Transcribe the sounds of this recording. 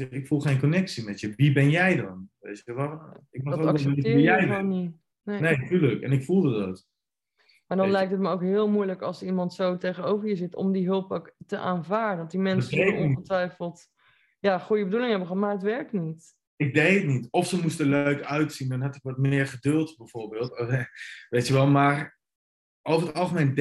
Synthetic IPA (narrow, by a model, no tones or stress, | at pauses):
ɪkfulˠχejnkonɛksimɛtjəʋibɛnjɛjdɑnʋḛjtəʋaɪk̚mɑχɛlˠətɪːjɛjni | nenejtyləkɛ̰nɪkfulˠdədɑ̰t | maːɹdɑnlɛjk̚tətməoʊwkɦɪːlˠmujləkɑlˠsəɹimɑntsowtejχənowvəɹjəzɪtɔ̰mdiɦɵlˠpktəʔaːnvaːɹədɔt̚dimɛnsəoɔ̃iətʋɛjfəlˠt | jaːχujəbədulɪ̃ŋəɦɛbəχmaətʋɛɹk̚tnit | ɪk̚dejətnitɔfsəmustəlɥkœɥtsindɑnɦɑtɪkʋɑt̚mɪːɹχədɵlˠtbɛjv̥oːɹbɪːlˠt | ʋejtjəʋɛlˠmaːr | owəətɑlˠχəmejnd